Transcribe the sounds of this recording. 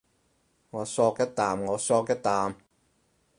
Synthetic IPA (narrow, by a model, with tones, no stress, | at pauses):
ŋɔː˨˧sɔː˧k̚jɐ˥k̚t̪aː˨mŋɔː˨˧sɔː˧k̚jɐ˥k̚t̪aː˨m